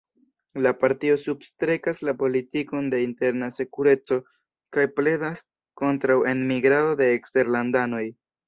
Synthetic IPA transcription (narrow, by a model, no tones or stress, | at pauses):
lapaɾtio̞substɾe̞kaslapo̞litiko̞nde̞inte̞ɾnase̞kuɾe̞t͡so̞ | kajple̞das | ko̞ntɾawe̞nmiɡɾado̞de̞ːkste̞ɾlandano̞j